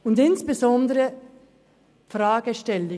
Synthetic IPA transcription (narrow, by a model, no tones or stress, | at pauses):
ʊndɪnsb̥əzɔndəɾə | frɑːɡəʃtɛlɪ